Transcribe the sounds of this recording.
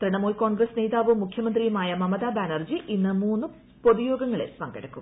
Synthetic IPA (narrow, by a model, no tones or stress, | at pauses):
t̪ɾiɳɐmoːjko̞ːɳɡɾɐsneːd̪aːʋumːukʰjɐmɐnd̪rijmaːjɐmɐmɐðaːbaːnɐrd͡ʑiʔinːɨmuːnːu | poðujo̞ːɡɐŋːɐɭelpɐŋɡɐ̰ɽɐkːum